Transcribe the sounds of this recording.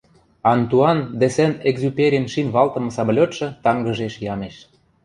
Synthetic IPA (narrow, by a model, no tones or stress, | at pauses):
ɑnt̪uɑnd̪ĕsĕneɡzupʲeɾʲinʃinβɑlt̪ɤ̆mɤ̆sɑblʲot̪ʃɤ̆t̪ɑŋɡə̆ʒeʃjɑmeʃ